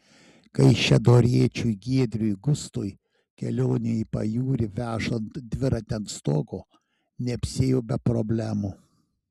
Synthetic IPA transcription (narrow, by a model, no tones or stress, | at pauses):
kɐɪʃʲɛd̪oːɾʲiɛt͡ʃʲujɡʲiɛd̪ʲɾʲʊjɡʊst̪oːj | kʲɛlʲoːnʲeipɐ̰juːɾʲɪʋʲæːʃont̪d̪ʲʋʲɪɾɐt̪ʲɛnt̪st̪oːkoː | nʲɛpʲsʲeːjoːbʲɛpɾɔbʲlʲæːmu